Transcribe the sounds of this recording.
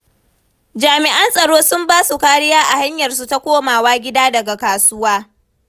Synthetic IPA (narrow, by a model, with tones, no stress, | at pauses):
d͡ʒaː˨mɪ˨ʔa˦nsʼɐ˨ɽoː˦sʊ˦mbaː˦su˨kaː˦ɽɪ˦jaː˦ʔa˨ha˦ɲjɐ˨rsu˦ta˨kʷoː˦maː˨waː˦ɡʲɪ˦daː˦dɐ˨ɡa˨kaː˨sʊ˦waː˦